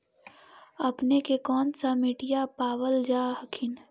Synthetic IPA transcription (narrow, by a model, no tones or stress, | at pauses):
ɐpnekekɔːnsamɪʈijapaːʋəld͡ʒaːɦəkʰɪn